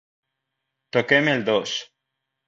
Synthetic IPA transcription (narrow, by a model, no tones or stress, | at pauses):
t̪okemeld̪os